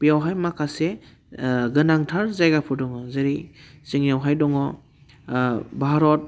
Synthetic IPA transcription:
pijawɦajmakʰase | ɡɯnaŋtʰaɾzajɡapʰudɔŋɔzeɾisiŋjawɦajdɔŋɔ | bʱaɾɔt̚

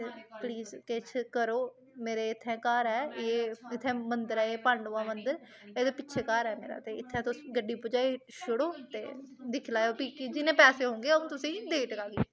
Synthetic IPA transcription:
t̪eːpliːzket͡ʃʰkəɾoː | meːɾeːɪt̪ʰːɛ̃ːkaːɾɦɛːeːɪt̪ʰːɛ̃ːmənd̪əɾɛːeːpəɳɖoaːmənd̪əɾ | eːd̪eːpɪʃʰeːkaːɾɛːmḛːɾa̰ːt̪eːɪt̪ʰːɛ̃ːt̪ʊsɡəɖiːpʊd͡ʒaːiʃʊɽoːt̪ḛːd̪ɪkʰlaːjoːpiːkɪd͡ʒɪnẽːpɛːseːɦõːŋɡeːəũːt̪ʊsĩːd̪eːʈəkaːɡiː

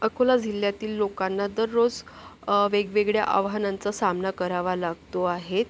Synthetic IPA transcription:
əkʰolad͡ziljat̪iːlːokanːad̪əɾːod͡z | ʋeɡʋeɡɭja̰ʔa̰ʋɦanãnt͡sasamnakəɾaʋalaɡt̪oaɦet̪

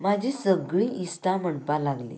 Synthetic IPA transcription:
mad͡ʑʱisəɡɭiist̪am̤əɳpalaɡlḭ

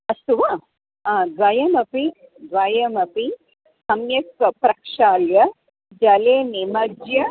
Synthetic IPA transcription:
ɐst̪uʋa | ãːd̪ʋɐjɐmɐpi | d̪ʋɐjɐmɐpi | sɐmjɐsɐpɾɐkʂaːljɐ | d͡ʒɐleːnimɐd͡ʒjɐ

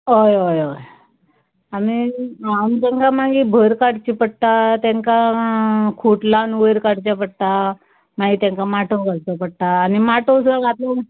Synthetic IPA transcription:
ɦojɦojoj | amiamt̪ãŋkamaɡibʱəɾkaɽt͡ɕipəɽt̪at̪ẽŋka | kʰuʈlanʋəjɾkaɽt͡ɕapəɽt̪a | maɡiːt̪ãŋkamaʈʰəɡʱaɾt̪apəɽt̪aːnimaʈʰosuɡ̪aɡʱat̪la

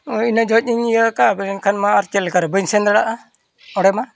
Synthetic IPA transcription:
inad͡ʒɔt̪̚ɲiɲijəkabənɛnkʰanmaːɾt͡ʃɛlɛkaɾbəɲsɛnd̪ɾaɽaʔa | ɔɽɛma

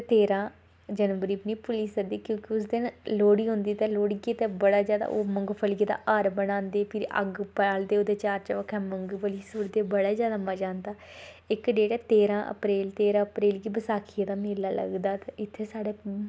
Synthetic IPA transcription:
t̪eːɾãː | d͡ʒənʋəɾiːpniːpʊliːsəd̪iːkjõːkɪʊs̬d̪ɪnloːɽiːɦʊ̃nd̪iːt̪eːloːɽiɡit̪eːbəɽaːzjaːd̪a̰ːʔoːməŋɡpʰəlied̪a̰ːʔaɾbəɽ̃ãːnd̪eːpʰɪɾə̰ɡpɛːld̪eːoːd̪eːt͡ʃaːɾt͡ʃəʋəkʰɛ̃ːməŋɡpʰəliːsʊɽd̪eːbəɽaːzjaːd̪aːməd͡ʒaːnd̪aː | ɪkɖeːʈɛːt̪eːɾãːʔə̰pɾeːlt̪eːɾãːəpɾeːlɡiːbəsaːkʰiːed̪aːmeːlaːlə̰ɡd̪aːt̪eɪt̪ʰːeːsaːɽeː

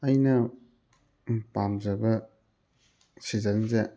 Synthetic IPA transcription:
ɐjnɐ | pamd͡ʒɐbɐ | sizɐnze

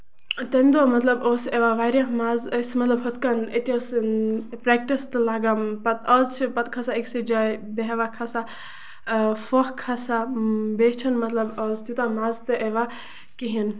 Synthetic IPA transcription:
t̪ɐnʲd̪omɐt̪lɐboːseʋaʋaːɾʲjamaːzəsmɐt̪lɐbɦɐt̪kɐnət̪iospɾɛk̚ʈist̪ɨlaːɡampɐt̪ʰɔzt͡ʃʰipɐt̪̚kʰasaiksid͡ʒajbeɦʋakʰasa | fokkʰːasabet͡ʃʰɐnmɐt̪lɐbɔːzt̪jut̪amaːzt̪ɨʔeʋa | kiɦin

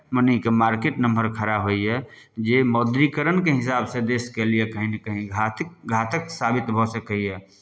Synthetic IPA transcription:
mənikemaɾkeʈnəmbəɾkʰəɾaɦoiɛ | d͡ʒemɔd̪ɾikəɾənkeɦɪsaːbsẽd̪eskeliekəɦinikəɦĩɡʱat̪ɡʱat̪əksabit̪bʱɔsəkəiɛ

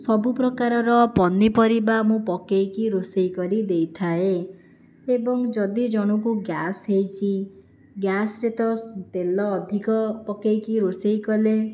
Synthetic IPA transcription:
sɔbupɾɔkaɾɔɾɔpɔnipɔɾibamũpɔkejkiɾosejkɔɾid̪ejt̪ʰae | ebɔŋd͡ʒɔd̪id͡ʒɔɽ̃ukuɡjasɦejt͡ʃʰi | ɡjasɾet̪ɔt̪elɔːd̪ʱikɔpɔkejkiɾosejkɔle

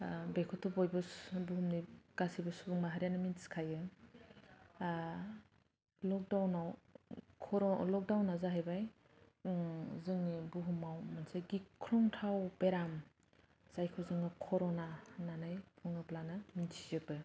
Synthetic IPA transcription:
bekʰɔtʰɔbojbɯbuɦumniɡ̥asibɯsubuŋmaɦaɾjanɯminskʰajɯ | lɔk̚dawnawkʰɔɾlɔk̚dawnazaɦajbaj | zɯŋibuɦumawmansaɡikʰɾɔŋtʰawbeɾam | z̥ajkʰɔzɯŋɯkʰɔɾɔnananajpʰuŋɯplanɯminsi̥zɯbɯ

